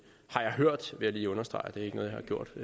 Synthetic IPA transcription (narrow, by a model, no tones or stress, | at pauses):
hɑ̈jɑ̈ɪɦøɐ̰d̥ʋe̝jɑliːɔ̽nɐsd̥ʁɑ̈ɪd̥e̝æe̝ɡ̥ənɔːð̩ˠjɑhɑ̈ɡ̥jo̝̰d̥